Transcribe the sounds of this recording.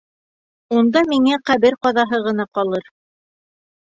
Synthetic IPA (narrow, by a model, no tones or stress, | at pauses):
und̪ɑmiŋæqæβɘɾqɑðɑɦɤʁɤ̆nɑqɑlˠɤɾ